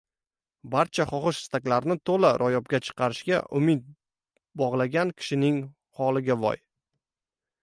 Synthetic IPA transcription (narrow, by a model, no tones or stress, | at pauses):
baɾt͡ʃʰaχɒχɨʃɪ̥st̪akʲlaɾnɪt̪ʰolaɾʔɒjɒp̚ɡʲat͡ʃʰɨ̥qʰɑɾɪʃɡʲaʔʊmɪt̪̚ | bɒʁlˠaɡʲankʲʰɪ̥ʃɪnɪŋ | hɒlˠɪɡʲavɒ̰j